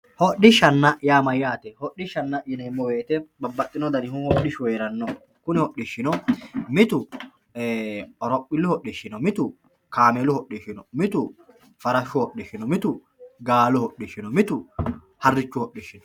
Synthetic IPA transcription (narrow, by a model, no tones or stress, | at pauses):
hɔʔɪʃːɐnːɐjaːmɐjːaːt̪ɛhɔɗɪʃːɐnːɐjɪnɐɪmːɔweːt̪ɛbɐbːɐt̪ʼːɪnɔd̪ɐnɪhʊnhɔʔɪʃʊweːɾɐnːɔ | kʊnɪhɔʔːɪʃːɪnɔmɪt̪ʊː | ɔɾɔpʼːɪlʊhɔʔːɪʃːɪnɔmɪt̪ʊ | kaːmɛlʊhɔɗːɪʃɪnɔmɪt̪ʊ | fɐɾɐʃʊhɔɗːɪʃɪnɔmɪt̪ʊ | ɡaːlʊhɔɗɪʃːɪnɔmɪt̪ʊ | hɐrːɪt͡ʃːʊhɔɗːɪʃɪnɔ̥